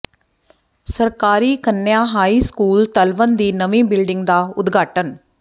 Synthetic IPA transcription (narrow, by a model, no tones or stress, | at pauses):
səɾkaːɾiːkənːjãːɦaːiːskuːlt̪əlʋənd̪iːnəʋĩːbɪlɖɪŋɡd̪aːʊd̪ɡʱaːʈən